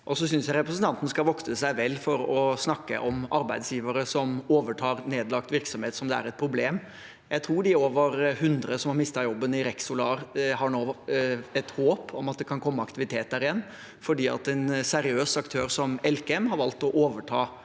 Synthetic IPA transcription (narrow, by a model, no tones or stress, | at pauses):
ʔɔsɔsʏnsjæɪɾɛpɾəsən̩t̪ɑnt̪ənəskɑʋɔksəsæɪʋɛlːfɔɾɔsnɑkːə̰ʔɔmɑɾbæɪd̪sjiːʋəɾəsɔmoːʋəʈʰɑːɾneːd̪lɑk̚t̪ʋɪɾksɔmheːt̪sɔmd̪ɛæ̰ːɾɛt̪̚pʰɾʊbleːm | jʔæɪt̪ʰɾuːɖɪoːʋəɾhʉnd̪ɾəsɔmhɑɾmɪst̪ɑjɔbːənɪɾɛksʊlɑːɾhɑɳoːɛt̪hoːpʰɔmɑt̪̚d̪ɛkʰɑnkʰɔmːəɑkt̪ɪʋɪt̪ʰeːt̪̚æɾɪjɛnː | fɔɖiːɑ̰t̪ɛnsɛɾɪøːsɑkt̪ʰøːɾsɔmɛlkɛɛmɦɑɾʋɑlt̪ɔʔoːʋəʈʰɑː